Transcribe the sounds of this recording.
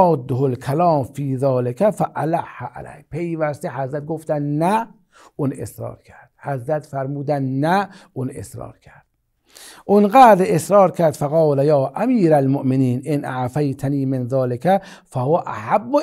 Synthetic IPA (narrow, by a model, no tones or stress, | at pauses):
d̪ːoholkʰalɑːmfiːzɒːlekʰæfæʔalaħːaʔa̰læ̰hpʰe̞jvæst̪ehæzɾæt̪̚ɡoft̪ænd̪næ | ʔuːnḛsɾɑ̰ːɾkʰæɾd̪̥hæzɾæt̪fæɾmuːd̪ænd̪næʔuːnʔḛsɾɑ̰ːɾkʲʰæɾd̪̥̚ | ʔonɡæːd̪ɾesɾɒːɾkʰæɾd̪faɣɑːlæjɑːʔæmiːɾælmoʔmeniːnʔenʔaʕfajt̪ʰaniːmenðɑːlekʰæ | fæhoæʔaħabːo